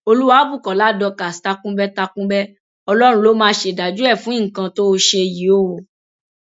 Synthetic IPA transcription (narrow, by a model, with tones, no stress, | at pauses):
o˧lu˦wa˨˦bu˦˨kɔ˨la˦dɔ˧ka˨sta˧kũ˦bɛ˦ta˧kũ˦bɛ˦ | ɔ˧lɔ˦ɾ̃ũ˧˦lo˨˦mãː˦ʃe˧˨da˨d͡ʒu˦ɛ˦˨fũ˨˦ĩ˦˨kã˧to˦o˧ʃe˧ji˨˦o˦w